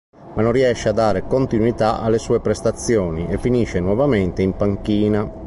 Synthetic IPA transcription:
manːonrːiɛʃːead̪ːaːɾekont̪inwit̪aa̰lːesuːepɾɛst̪at̪sːjɔːniɛfːiniʃːenwɔvamɛnt̪eimpaŋkiːna

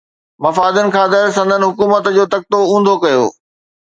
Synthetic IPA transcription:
mɐfaːd̪ʊnɪ̆kʰãːd̪ɐɾsɐ̃nd̪ʱənɪ̆ɦʊkuːmət̪d͡ʑoːt̪ɐk̚t̪oũːnd̪ʱokɐjo̰ː

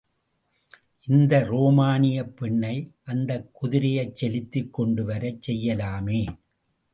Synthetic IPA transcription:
ʔɪnd̪ɐɾoːmaːnɪjɐpːɛɳːɐɪʔɐnd̪ɐkːʊðɪɾɪjɐɪt͡ʃːɛlɪt̪ːɪkːɔɳɖɯʋɐɾɐt͡ʃsɛjːɐlaːmeː

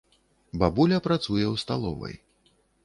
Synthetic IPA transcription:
babulʲɐpɾat̪sujɛwst̪alˠɔ̰vɐ̰j

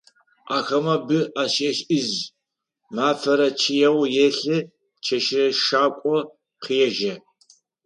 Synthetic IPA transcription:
ʔaːxɐmɐbɨʔaːɕeɕɨz | maːfɐɾɐt͡ʃʰijɛwjɛɬɨ | t͡ʃʰɐʃɪrɐʃaːkʷʼɔ | qijɛʒɐ

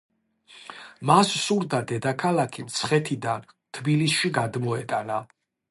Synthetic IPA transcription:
massuɾd̪ad̪ɛd̪akʰalˠakʰimt̪sʰχɛt̪ʰid̪an | t̪ʰbilisʃiɡad̪mɔɛt̪ʼana

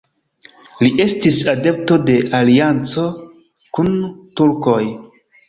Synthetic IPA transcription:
liʔe̞stisade̞p̚to̞de̞ʔaliant͡so̞ | kuntuɾko̞j

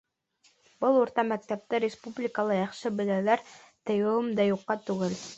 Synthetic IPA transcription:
b̥ɤlˠuɾt̪ɑmæk̚t̪æp̚t̪ɘɾʲɪspublʲɪkəlˠɤjɑχʃɤbɘ̆lælæɾt̪ɘ̆jɘ̆wɘmd̪ɑjuqːɑt̪ʉɡɘl

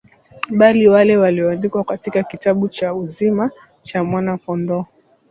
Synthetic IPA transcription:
ɓaliwalɛwaliɔandikwakatikakitaɓut͡ʃauzima | t͡ʃamwanakɔndɔ

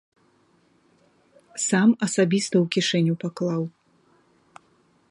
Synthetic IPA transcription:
samɐsabʲist̪ɐwkʲiʂɛnʲupaklˠaw

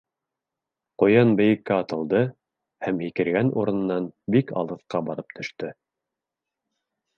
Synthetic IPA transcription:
qujɑnbɘ̆jɘ̆kːæɑt̪ɤ̆lˠd̪ɤ | hæmhikɘ̆ɾɡænʔuɾɤ̆n̆nːɑnbikɑ̰lˠɤ̆θqɑbɑɾɤp̚t̪ʰɵ̆ʃt̪ɵ

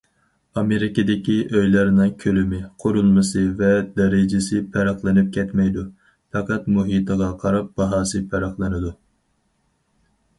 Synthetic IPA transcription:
ɑmeɾɪkʲɪd̪ɪkʲiʔøjlæɾɪnɨŋkʲʰølymɪqʰoɾulˠmɨsɨvɛd̪ɛɾɪd͡ʒɪsɪpʰæɾɑχlˠɨnɪp̚kʲʰɛt̪mɛjd̪u | fʰɑqɑt̪muɦit̪ʰəʁɑqʰɑɾɑp̚bɑɦɑːsɨpʰɛɾɑχlˠɨnɨd̪u

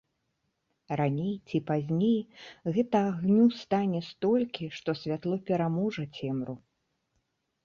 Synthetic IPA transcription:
ranʲejt͡sʲipazʲnʲejɣɛt̪ɐaɣnʲust̪anʲɛst̪ɔlʲkʲiʂt̪ɔsʲvʲat̪lˠɔpʲɛɾamɔʐɐt͡sʲɛmɾu

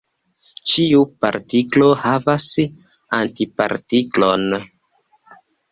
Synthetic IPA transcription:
t͡ʃiupa̰ɾtiklo̞havas | antipa̰ɾtiklo̞n

